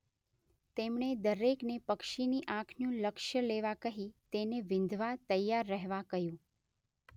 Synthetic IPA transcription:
t̪emɳ̃ed̪əɾeknepəkʃiniʔãkʰnjũləkʃjəleʋakəɦit̪eneʋɪ̃nd̪ʱʋat̪əjːaɾːəɦʋakəjũ

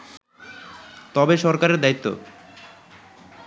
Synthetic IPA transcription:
t̪ɔbeʃɔɾkaɾeɾd̪ait̪ːo̰

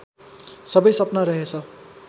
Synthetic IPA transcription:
sʌbʌjsʌpnʌɾʌɦet͡sʰʌ

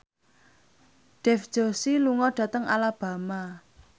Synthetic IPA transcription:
ɖ̥ɛfd̥ʒ̥osiluŋɔɖ̥ä̤t̪əŋʔa̰lab̥a̤ma

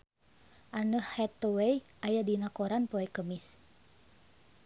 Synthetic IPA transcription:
ʔanəhhɛt̪ːɔwejʔajadinakoɾanpɔɛkəmis

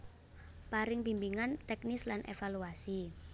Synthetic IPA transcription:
paɾɪŋpimbiŋant̪ɛk̚nɪslanʔḛfaluasi

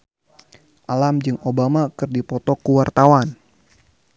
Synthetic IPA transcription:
ʔalamd͡ʒɨŋobamakɨrdipɔt̪ɔkuwart̪awan

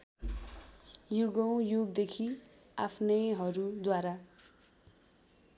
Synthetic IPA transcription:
juɡʌw̃joɡd̪ekʰi | apʰnʌjɦʌɾud̪waɾa

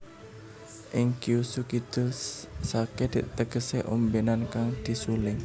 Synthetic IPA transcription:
ʔɪŋkiusukid̪̥ʊlsaked̪iʔt̪əɡəseʔombenankaŋd̪̥i̤sulɪŋ

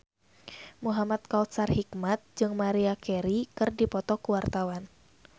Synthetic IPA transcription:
muɦamat̪̚kaut̪sarhikmat̪̚d͡ʒɨŋmaɾiakɛɾikɨrdipɔt̪ɔkuwart̪awan

